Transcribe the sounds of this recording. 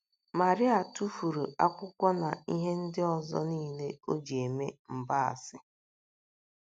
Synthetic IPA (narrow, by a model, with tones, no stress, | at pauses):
ma˨ɾɪ˦a˨tu˦fu˨ɾu˨a˦kʷʊ˦kʷɔ˦na˨i˦ɦe˦n̩˦dɪ˦ɔ˨zɔ̰˦niː˦˨le˦o˦d͡ʒi˨e˨me˦m̩˨ba˦a̰˨sɪ˦